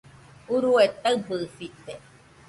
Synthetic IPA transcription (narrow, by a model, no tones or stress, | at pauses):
uɾuet̪abɨfit̪e